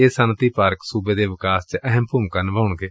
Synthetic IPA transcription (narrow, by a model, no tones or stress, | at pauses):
eːsant̪iːpaːɾksuːbeːd̪eːʋɪkaːst͡ʃʔəɦəmpʊmkanəʋaːʊɳɡeː